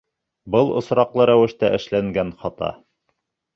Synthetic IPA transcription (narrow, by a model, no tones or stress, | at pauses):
bɤlˠŏ̰sɾɑqlˠɤɾæwɘ̆ʃt̪æʔɘ̆ʃlæŋɡænχɑt̪ɑ̰